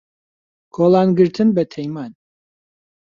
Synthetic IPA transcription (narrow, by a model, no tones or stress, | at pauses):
kʰolˠanɡɨɾt̪ʰɨnbɛt̪ʰɛjman